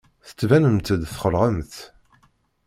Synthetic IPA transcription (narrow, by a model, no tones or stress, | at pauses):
θə̥t͡sːvænəmt̪əd̪θχəlʁəmθ